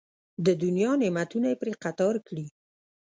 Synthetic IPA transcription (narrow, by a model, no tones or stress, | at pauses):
d̪əd̪unjɑnemat̪unajepɾeqat̪ɑɾkɽi